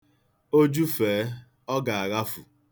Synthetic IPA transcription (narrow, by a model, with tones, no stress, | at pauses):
o˦d͡ʒu˦feː˨˦ | ɔ˦ɡa˨a˨ɣa˦fu˨